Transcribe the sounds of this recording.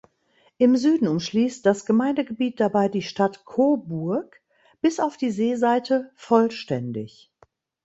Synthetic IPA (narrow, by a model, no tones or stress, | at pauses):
ʔɪmzyːdn̩ʊmʃliːst̚d̥asɡ̥əmaɪndəɡəbiːt̚d̥abaɪdiːʃtatkʰoːbʊɐk | b̥ɪsaʊfd̥iːzeːzaɪtʰəfɔlʃtɛndɪ̰ç